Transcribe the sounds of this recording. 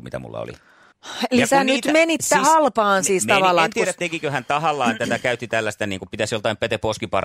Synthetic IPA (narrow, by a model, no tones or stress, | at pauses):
mḭt̪æ̰mṵlːɑ̰o̰lḭ | elisænyt̪menit̪ːehɑlpɑːnsiːsɑʋɑlːɑet̪iɾæt̪ekikøhænt̪ɑhɑlːɑːet̪ːæt̪ækæyt̪ːit̪ælːæst̪æniːŋkupit̪æsjolt̪ɑimpet̪epːoskipɑ̰r